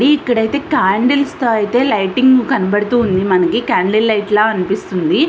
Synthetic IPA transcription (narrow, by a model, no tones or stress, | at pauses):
ɽiːkːɐɽɐjt̪e̞ːkaːɳɖilst̪oːɐjt̪e̞ːlɐjʈiŋɡkɐnɐbɐɽut̪uːnd̪imɐnɐkikaːɳɖilːɐjʈlaːɐnipist̪und̪i